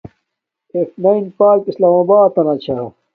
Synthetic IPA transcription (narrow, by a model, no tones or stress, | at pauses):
eknɐinpaːkislaːmabaːt̪ːɐnɐt͡ɕʰɐ